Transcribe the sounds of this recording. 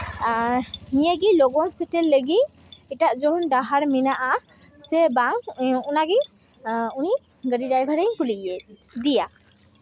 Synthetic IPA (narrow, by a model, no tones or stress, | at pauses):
nijəɡilɔɡɔnsɛʈɛlːəɡit̪̚ | ɛʈaʔd͡ʒɔɦɔnɖaɦaɾminaʔasɛbaŋunaɡɛ | uni | ɡəɖidajbʱaɾəɲkuliʔjed̪ija